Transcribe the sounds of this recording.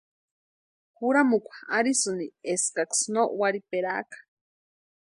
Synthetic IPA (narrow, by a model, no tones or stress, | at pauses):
xuɾamukʷʰḁaɾisɨnieskaksnoʔwaɾipeɾakḁ